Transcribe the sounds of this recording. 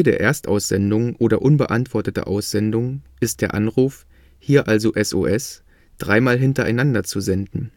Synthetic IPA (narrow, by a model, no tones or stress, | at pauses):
deːɐʔeːɐstʔa̰ʊsz̥ɛndʊŋʔoːɾɐʔʊnbəʔantv̥ɔɐtətə̰ʔa̰ʊsz̥ɛndʊŋʔɪst̚d̥eːɐʔanʁuːf | hiːɐʔalzoʔɛso̰ːʔɛs | d̥ʁaɪmaːlɦɪntɐʔa̰ɪnandɐt͡suzɛndn̩